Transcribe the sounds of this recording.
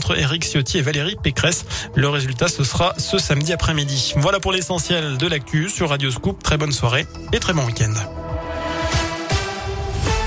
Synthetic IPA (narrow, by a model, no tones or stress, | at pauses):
t̪χəḛʁiksjot̪ʰievaleʁipekχɛsləʁezylt̪asəsʁasəsamd̪iapχɛmid̪ivwalapuʁlesɑ̃sjɛld̪əlak̚t̪ʰysyʁːad̪joskup̚t̪χɛbɔnswaʁe | et̪χɛbɔ̃wikʲɛ̃nd̪